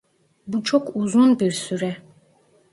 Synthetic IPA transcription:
but͡ʃʰɔkʰuzunbiɾsyɾɛ

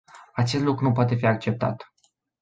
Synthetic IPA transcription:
at͡ʃest̪lukɾunup̬oat̪e̞fiak̚t͡ʃe̞p̚t̪a̰t̪

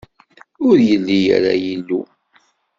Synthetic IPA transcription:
ʊɾjəlːijæ̰ɾajilːu

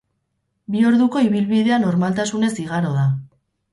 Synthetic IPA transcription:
bio̞ɾðuko̞iβilβiðe̞ano̞ɾmalt̪asune̞siɣaɾo̞ða

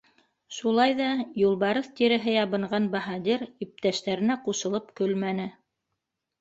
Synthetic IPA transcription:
ʃulˠɑjðɑjulˠβɑɾɤθt̪iɾɘ̆ɦɘjɑβɤ̆ɴɢɑnbɑɦɑd̪ʲiɾip̚t̪æʃt̪æɾɘ̆næquʃɤ̆lˠɤpkɵlmænɘ

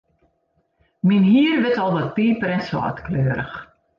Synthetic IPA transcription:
minɦiːərʋɪtɔlˠdɔt̚piːpəɾɛnsɔ̰ːtkløːəɾə̰x

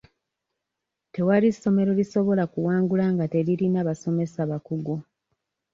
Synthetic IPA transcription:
te̞waɾisːo̞me̞ɾo̞liso̞βo̞lakuwaːŋɡulaŋɡate̞ɾiɾinaβaso̞me̞saβakuɡu

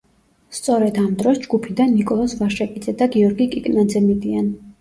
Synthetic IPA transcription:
st̪sʼɔɾɛd̪amd̪ɾɔsd͡ʒɡupʰid̪anːikʼɔlˠɔsvaʃɛpʼid̪zɛd̪aɡiɔɾɡikʼikʼnad̪zɛmid̪ian

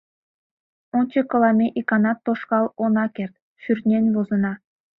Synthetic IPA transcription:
onʲt͡ɕɤ̆kɤ̆lˠɑmʲeʔikɑnɑt̪ːoʃkɑlˠonɑkert̪̚ | ʃyrʲt̪nʲenʲβozɤ̆nɑ

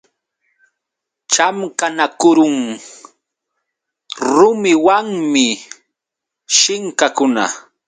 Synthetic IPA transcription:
t͡ʃamkanakʊɾʊŋ | ɾʊmɪwaŋmɪ | ʃɪŋkakʊna̰

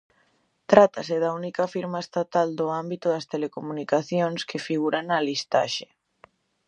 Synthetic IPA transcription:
t̪ɾat̪asɪðɐunikɐfiɾmaest̪at̪ald̪ʊambit̪ʊðɐst̪elekomunikaθjoŋskɪfiɣuɾanɐlist̪a̰ʃe̥

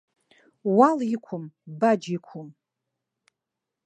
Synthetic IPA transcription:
walikʷʰʊmbad͡ʒikʷʰʊm

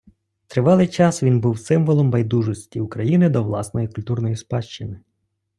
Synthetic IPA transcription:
t̪ɾɪʋɑlˠɪjt͡ʃɑsʋʲinbuwsɪmʋɔlˠɔmbɐjd̪uʒɔsʲtʲiʊkɾɐjinɪd̪ɔʋlˠɑsnɔjikʊlʲt̪urnɔjispɑʃt͡ʃɪnɪ

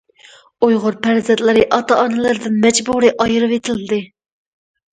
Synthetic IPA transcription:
ojʁʊɾpʰæɾzɛt̪lˠɨɾɨʔɑt̪ɑʔɑnɨlˠɨɾɨd̪ɨnmɛd͡ʒbuɾɨʔɑjɾɨvet̪ʰɪlɪd̪ɨ

